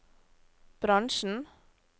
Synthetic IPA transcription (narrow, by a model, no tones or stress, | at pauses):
b̥ɾɑŋʃn̩